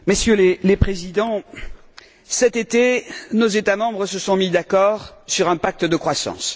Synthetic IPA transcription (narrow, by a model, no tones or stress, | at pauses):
mesjølelepχezid̪ɑ̃ | sɛt̪et̪enozet̪amɑ̃bʁəsəsɔ̃mid̪akɔʁsyʁɛ̃pak̚t̪əd̪əkχwasɑ̰̃s